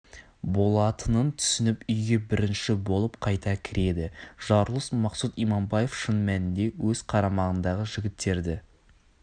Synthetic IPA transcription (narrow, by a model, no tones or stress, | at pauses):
bo̞lˠɑt̪ʰənənt̪ʰʏ̥sɪnɪpʏjɡʲe̞bɪɾɪnʃɪbo̞lˠəp̚qʰɑjt̪ɑkʲʰɪɾe̞d̪ɪʒ̥ɑɾlˠəsmɑqsut̪ijmɑmbɑje̞fʃənmænɪnd̪e̞wɵz̥qʰɑɾɑmɑʁənd̪ɑʁəʒɪɡʲɪt̪ːe̞ɾd̪ɪ